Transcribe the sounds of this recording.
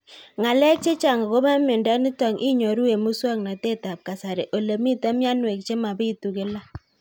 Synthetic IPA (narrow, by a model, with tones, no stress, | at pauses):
ŋa˨lɛ˦k̚t͡ʃe˦t͡ʃa˨ŋa˨ko˦ma˦mɪ˨nda˦nɪ˦ta˨ŋʔi˦ɲo˨ɾu˦we˨mu˦swa˦ŋna˨te˦ta˨p̚ka˨sa˨ɾe˨ʔo˨le˨mi˦ta˦mja˦nwe˨k̚t͡ʃe˦ma˨bi˦tu˨ke˦la˦